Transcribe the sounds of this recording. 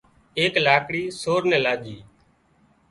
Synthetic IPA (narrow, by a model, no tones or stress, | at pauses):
eːklaːkɽiːsoːɾnɛ̃ːlaːd͡ʒiː